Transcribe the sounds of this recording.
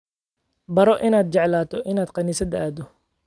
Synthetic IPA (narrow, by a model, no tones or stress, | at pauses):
bɐɾɔʔɪnaːd̪̚t͡ʃɛʕlaːt̪ʰɔʔɪnaːd̪qɑniːsɐd̪ɐaːd̪ɔ